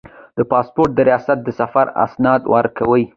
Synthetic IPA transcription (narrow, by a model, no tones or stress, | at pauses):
d̪əpɑspoɾʈ̚d̪əɾijɑsat̪̚d̪əsafaɾa̰snɑd̪wʔɑɾkawəj